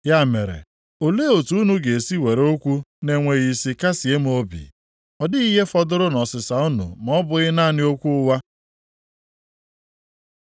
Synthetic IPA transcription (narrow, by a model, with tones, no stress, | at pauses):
ja˦˨me˨ɾḛ˨ | o˨le˦o˨tu˦nu˨ɡe˨e˨si˦we˨ɾo˦kʷu˦ne˨ŋʷe˨ɣi˨si˨ka˦si˨e˦m˦o˦bḭ˨ | ɔ˨dɪ˦i˦ɦe˦fɔ˦dʊ˦ɾʊ˦nɔ˨sɪ˨sa˨u˦nṵ˨m˨ɔ˦bʊ˨ɣɪ˦na˦˨nɪ˦o˦kʷu˦ʊ˦wa˦